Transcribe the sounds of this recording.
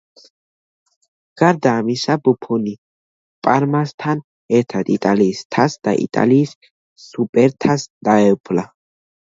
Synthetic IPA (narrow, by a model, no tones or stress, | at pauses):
ɡ̥ɐɾd̪aːmɪsɐbʊpʰːʊni | pʼɐɾmɐst̪ʰɐn | ɛt̪ʰːɐt̪ʼɪt̪ʼaliːst̪ʰɐsd̪̥ɐ̰ʔɪ̰t̪ʼɐ̰liːs | supʼɛɾt̪ʰɐsd̪̥ɐɛpːʊlɐ